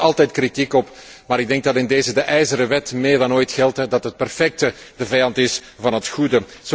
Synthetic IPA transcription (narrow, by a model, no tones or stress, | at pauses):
ɑlˠtɛjtkritikɔp | maːɾɪɡ̚dɛŋɡ̚dɑtɪndeːzədəʔɛjzəɾəʋɛtmɪːrdɑnoːjtxɛlˠtɛdɑtət̚pərfɛk̚tə | dəvɛjɑntɪs | vɑnɦətxudə | z̥